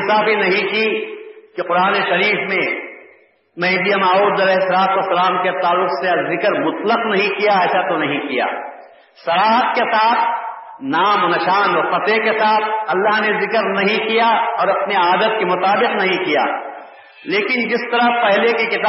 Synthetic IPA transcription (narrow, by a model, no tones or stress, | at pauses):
saːfinɐɦĩkikeqʊɾaːneʃɐɾiːfmẽ | mɛ̃d̪ijamaːuːd̪ɐlɛːɦɪsːɐlaːt̪wɐsːɐlaːmket̪aːlːʊqsezɪkɾmʊt̪ləqnɐɦĩkijaɛːsat̪onɐɦĩkija̰ː | sɐlaːɦət̪̚ket̪aːb̚ | naːmnɐʃaːnɔɾpɐt̪ekɪt̪aːb̚ɐlːaɦnezɪkəɾnɐɦĩkijaɔːɾɐpniaːd̪ət̪̚kemʊt̪aːbɪqnɐɦĩkija̰ː | leːkɪnd͡ʒɪst̪ɐɾəpɛɦlekekɪt̪aː